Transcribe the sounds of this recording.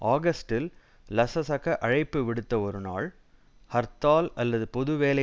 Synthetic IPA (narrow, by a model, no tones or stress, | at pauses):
ʔaːɡɐsʈɪl | lɐsɐsɐkɐʔɐɻɐɪpːɯʋɪɽɯt̪ːɐɔɾɯna̰ːɭ | hɐɾt̪aːlɐlːɐðɯpɔðɯʋeːlɐ